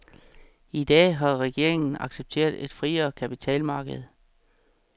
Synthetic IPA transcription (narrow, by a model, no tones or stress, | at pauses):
id̥ɛ̰ːɦɑ̈ʁɛɡ̥e̝ɐ̰e̝ŋn̩ɑ̈ɡ̥seb̥̚t͡sʰe̝̰ːɐdˠe̝d̥fʁiɐkʰæpit͡sʰɛ̰ːlmɑ̈ːɡ̥əð̞̩ˠ